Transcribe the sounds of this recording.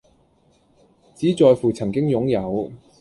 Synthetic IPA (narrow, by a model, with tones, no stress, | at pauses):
t͡siː˨˥t͡sɔː˨˧jfuː˨˩t͡sʰɐ˨˩ŋkɪ˥ŋjʊ˨˥ŋjɐ˨˧w